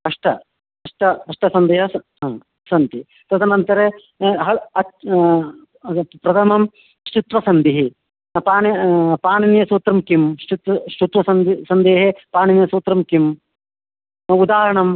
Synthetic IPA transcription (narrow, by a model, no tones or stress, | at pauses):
ɐʂʈɐ | ɐʂʈɐɐʂʈɐsɐnd̪eːɦɐsɐ | sɐnt̪i | t̪ɐt̪ʰɐnɐnt̪ɐɾe | ɦɐɐ | pɾɐt̪ʰɐmɐm | ʃt͡ʃut̪ʋɐsɐnd̪iɦi | paːnɐpaːɳinjɐsuːt̪ɾɐmkimʃt͡ʃut̪ʋɐʃut̪ʋɐsɐnd̪isɐnd̪eːɦepaːninjɐsuːt̪ɾɐmkim | ud̪aːɾɐɳɐm